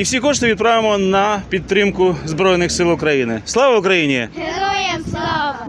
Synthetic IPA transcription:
iwsʲikɔʂt̪ɔʋid̪̚pɾaʋɪmɔnɐpʲit̪̚ːɾɪmkʊzbɾɔjnɪxsɪlˠʊkɾɐjinɪslˠaʋɐʊkɾɐjinʲi

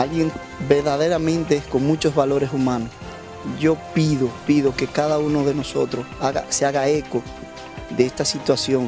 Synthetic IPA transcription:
alɣje̞ŋ | be̞ɾðaðe̞ɾamẽ̞nt̪eesko̞ŋmut͡ʃo̞zβalo̞ɾe̞sumãno̞s | ʝo̞piðopiðo̞ke̞kaðauno̞ðe̞no̞so̞t̪ɾo̞saɣa̰seaɣae̞ko̞ | ðe̞est̪asit̪wasjo̞ŋ

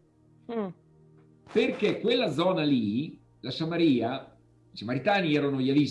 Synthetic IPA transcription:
perkekwelːad̪zɔːnali | lasamaɾiːa | t͡ʃamaɾit̪aːniɛːɾanoʎavis

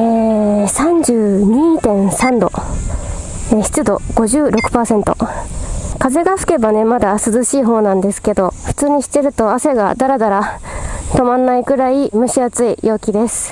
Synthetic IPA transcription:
eːsãɲ̟d͡ʑɨːɲ̟iːt̪ẽ̞ɰ̃sãnd̪o̞ | eçi̥t͡sɨd̪o̞ɡ̥o̞ʑɨːɾo̞kɯ̟̥paːsẽ̞nt̪o̞̰ | kaze̞ɡasɨ̥ke̞bane̞mad̪asɨzɨɕiːɦo̞ːnãnd̪e̞sɨ̥ke̞d̪o̞ɸɯ̟̥t͡sɨːɲ̟iɕi̥t̪ːe̞ɾɯ̟t̪o̞ase̞ɡa̰d̪aɾad̪aɾat̪o̞mãnːaiɡɯ̟ɾaimɯ̟ɕiat͡sɨijo̞ːkʲid̪e̞sɨ̥

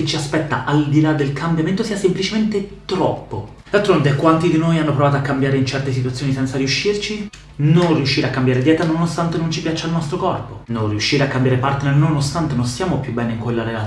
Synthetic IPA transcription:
et͡ʃːiaspɛt̪ːa̰ʔald̪ilad̪ːelkʰambjament̪osiːasemplit͡ʃement̪et̪ɾɔ̰pːo | d̪alt̪ɾond̪ɛkːwant̪id̪inoːjanːopɾovaːt̪oakːambjaːɾeint͡ʃɛrt̪esit̪wat̪sːjoːnisɛnt̪saɾiuʃːirt͡ʃi | nonriuʃːiːɾeakːambjaːɾed̪jɛːt̪anonost̪ant̪enont͡ʃipjat͡ʃːalnɔst̪ɾokɔrpononriuʃːiːɾeakːambjaːɾepart̪nernonost̪ant̪enonsjaːmopjubːɛːneiŋkwelːaɾela

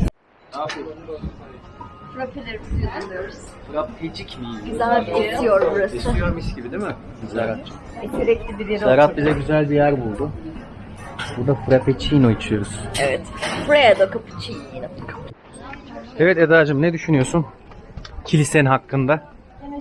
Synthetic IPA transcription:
fɾapʰelʲeɾibiijd̪unˠijoɾuz̥fɾappʰed͡ʒicmijiyzælbiit̪ʰijoɾbuɾasijoɾmiʃɟibid̪imɪ | zaɾat̪ | et̪ʰiɾɛclʲibilʲiɾaɾat̪̚bizɛɟyzælʲbijæɾbulˠd̪ʊ | buɾd̪afɯɾapet͡ʃʰijnojit͡ʃʰɯjo̞ɾuz̥ɛvɛt̪fɾajad̪akʰapʰɯ̥t͡ʃʰininɪkʰ | evɛt̪ed̪aːd͡ʒɯmnɛd̪yʃynyjosun | cʰilʲisenɦakːɯnd̪a

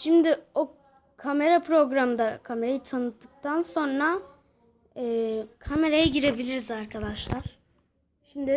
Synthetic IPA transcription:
ʃimd̪ɪo | kʰame̞ɾapʰɾo̞ɡɾamd̪akʰame̞ɾajit̪ʰanɯt̪ʰːɯk̚t̪anso̞nɾa | ɛːkʰame̞ɾajaɟiɾe̞bilʲiɾizaɾkʰad̪aʃlˠaɾ̥ | ʃimd̪ɪ

